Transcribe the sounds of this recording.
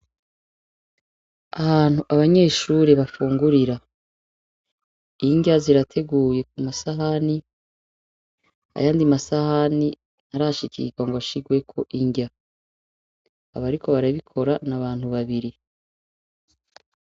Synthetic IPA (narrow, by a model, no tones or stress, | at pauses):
ahaːn̥huʔaβaɲe̞ːʃuɾeβafuːŋɡuɾiɾa | iɲɟaziɾatʰe̞ɡuːje̞k̚umasaɦani | a̰jaːndimasahani | nhaɾaʃikʰḭɡwaŋɡoβaʃiɡwe̞kʰo̞ʔiɲɟa | βaɾikʰo̞βaɾaβikʰo̞ɾanaβaːnhuβaβiɾi